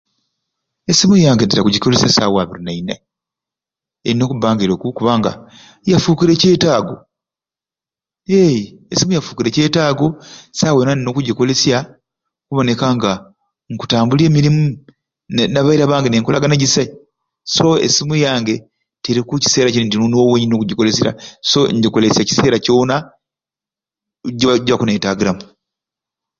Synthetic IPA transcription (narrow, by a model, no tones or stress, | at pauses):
esimujaːŋɡeteɾakuɟiko̞lesjasaːwaβiɾinaina | eino̞ːkubaːŋɡiɾokukuβaːŋɡa̰ | jafuːkiɾe̞ce̞ːtaːɡo̞̰ | ejesimujafuːkiɾe̞ce̞ːtaːɡo̞saːwenanino̞ːkuɟiko̞le̞sja | kuβo̞ne̞kaŋɡa | ŋku̥taːmbule̞ːmiɾimu | naβaiɾaβaːŋɡeneːŋkolaɡaneɟisa | so̞ḛsimujaːŋɡe̞ | teɾikuci̥se̞ːɾacinintinuniwoweɲinnokuɟiko̞le̞siɾa̰so̞ɲɟiko̞lesjaci̥se̞ːɾacona | ɟaɟakuneːtaːɡiɾamu